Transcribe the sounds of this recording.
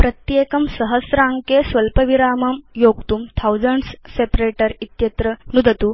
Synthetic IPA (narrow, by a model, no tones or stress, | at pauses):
pɾɐt̪jeːkɐmsɐɦɐsɾaːŋkesʋɐlpɐʋiɾaːmɐmjoːk̚t̪umt̪ʰawd͡zɐɳɖsːepɾeːʈɐɾit̪jɐt̪ɾənud̪ʱɐt̪uː